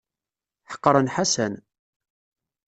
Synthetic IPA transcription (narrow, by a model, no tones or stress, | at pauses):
ħə̥qːɾˤənħasæn